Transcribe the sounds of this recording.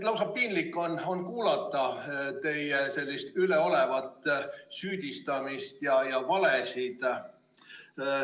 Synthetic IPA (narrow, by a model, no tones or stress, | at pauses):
t̪lɑwsɑppːinlikːˑo̞no̞nkuːlɑt̪ˑːɑt̪e̞jese̞lʲːist̪yleo̞le̞vɑt̪ːˑsyːd̪̥ʲist̪ɑmist̪jɑjɑvɑlesid̪̥